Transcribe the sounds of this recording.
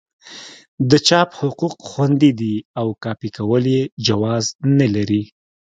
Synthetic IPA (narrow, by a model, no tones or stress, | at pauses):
d̪ət͡ʃɑphʊquqxwand̪id̪iawkɑpikawəljed͡ʒawɑznalaɾi